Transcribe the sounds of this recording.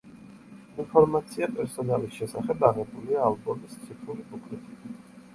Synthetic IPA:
inpʰɔɾmat̪sʰiapʼɛɾsɔnalisʃɛsa̰χɛbaʁɛbuliaːlbɔmist̪sʰit̪ʼʰuɾibʰukʰlit̪ʰʼi

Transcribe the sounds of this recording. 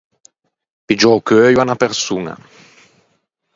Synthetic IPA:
pid͡ʒɔkøːjwanapɛɾsuːŋa̰

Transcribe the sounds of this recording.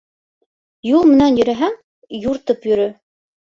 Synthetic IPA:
julˠmɘ̆nænjɵ̆ɾæɦæŋ | juɾt̪ɤpjɵ̆ɾɵ

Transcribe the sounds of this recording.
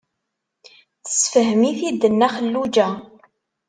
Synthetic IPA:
θə̥sfəɦəmiθid̪ːənːæχəlːud͡ʒæ

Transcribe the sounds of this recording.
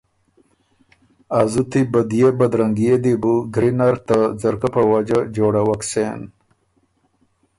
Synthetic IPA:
azut̪ibad̪ijebad̪ɾaŋɡijed̪ibuɡɾinaɾt̪ad͡zaɾkapəwad͡ʒad͡ʒoɽawaksen

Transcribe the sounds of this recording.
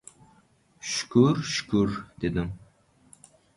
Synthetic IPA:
ʃy̥kʰʲuɾʃy̥kʲʰuɾd̪̥ed̪ɪŋ

